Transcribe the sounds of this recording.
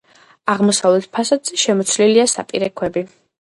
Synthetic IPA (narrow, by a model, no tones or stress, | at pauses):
aʁmɔsavlɛt̪̚ʰpʰasad̪z̥ɛʃɛmɔt̪sʰliliasa̰pʼiɾɛkʰwɛbi